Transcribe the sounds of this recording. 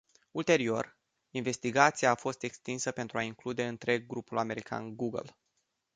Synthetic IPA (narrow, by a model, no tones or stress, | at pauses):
ult̪e̞ɾio̞̰r | inve̞st̪iɡat̪siaːfo̞st̪e̞kst̪insəpe̞nt̪ɾuaiŋklud̪e̞ɨnt̪ɾe̞ɡːɾupulame̞ɾikʰa̰nɡuɡə̰l